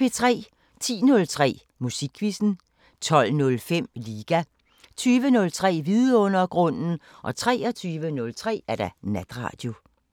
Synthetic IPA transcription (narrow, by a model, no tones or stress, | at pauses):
e̝t͡sʰʁɛ̰ː | t͡sʰḭːnɔ̽lt͡sʰʁɛ̰ː | musiɡ̥ʰʋisn̩ | t͡sʰɒ̽l̰nɔ̽lfem̰liːɡ̥æ | t͡sʰyːʋənɔ̽lt͡sʰʁɛ̰ːʋiðˠəɔ̽n̰ɐɡ̥ʁɔ̽n̰n̩ | ʔɒ̽t͡sʰʁɛ̰ːɐt͡sʰyːʋənɔ̽lt͡sʰʁɛ̰ːæɐɾ̥ɑnæd̥ʁɑ̰̈ːd̥jo̝